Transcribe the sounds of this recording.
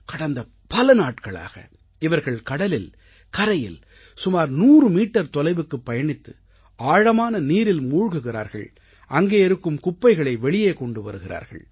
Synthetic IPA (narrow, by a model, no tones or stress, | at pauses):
kɐɽɐnd̪ɐ | pɐlɐnaːʈkɐɭa̰ːɣɐ̰ | ɪʋɐɾɣɐɭkɐɽɐlɪl | kɐɾɐjɪ̰l | sʊmaːɾnuːrɯmiːʈːɐɾt̪ɔlɐɪʋɯkːɯpːɐjɐɳɪt̪ːɯ | aːɻɐmaːnɐniːɾɪlmuːɻɣɯɣɪɾa̰ːɾɣɐ̰ɭ | ʔɐŋɡeːɪɾɯkːɯmkʊpːɐɪɣɐɭɐɪʋɛɭɪjeːkɔɳɖɯʋɐ̰ɾɯɣɪra̰ːɾɣɐ̰ɭ